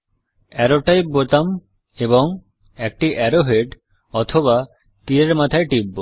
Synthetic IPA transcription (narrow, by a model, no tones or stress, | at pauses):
ɛɾoʈajp̚bot̪am | eβoŋ | ɛk̚ʈiʔɛɾoɦeɖ | ɔt̪ʰoβa | t̪iɾeɾmat̪ʰaeʈibːo